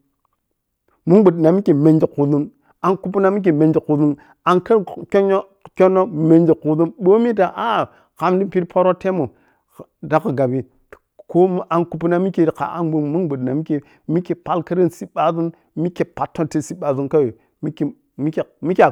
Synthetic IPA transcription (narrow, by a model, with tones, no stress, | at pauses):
mu˦ŋbu˨dna˨mi˦ke˨me˨nd͡ʒi˨ku˨zu˦n | a˨nku˦p̬u˦na˦mi˦k̬e˨me˨nd͡ʒi˨ku˨zu˦n | a˨nka˦ko˦no˦ | kʲo˦nːo˦me˨nd͡ʒi˨ku˨zu˦nɓo˦mi˦da˨ʔa˦˨ | ka˨mdi˦pi˦ɾpʰo˦ɾo˦te˦mo˨ | da˨ka˨ɡa˨bi˨ | ko˦ʔa˨nku˨pu˦na˦mi˦ke˨ɾka̰˨a̰˦nbu˦mu˦nɡ͡bu˨dna˨mi˦ke˨ | mi˦ke˨pa˦lka˦ɾi˦nsi˦ɓa˨zu˦n | mi˦ke˨pa˨tːo˦nte˦˨si˦ɓa˨zu˦nka˦we˨ | mi˦k | mi˦ke˨mi˦kʲ